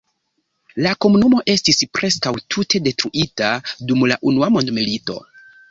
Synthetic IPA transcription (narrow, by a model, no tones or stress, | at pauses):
lako̞munumo̞ʔe̞stispɾʔe̞skawtʰute̞de̞tɾuʔitadumlaʔunuamo̞ndmilito̞̰